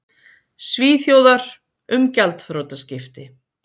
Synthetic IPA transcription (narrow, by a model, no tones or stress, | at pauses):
sviːθjowðaɾ̥ | ʏmcalt̪θɾowt̪ascɪft̪ɪ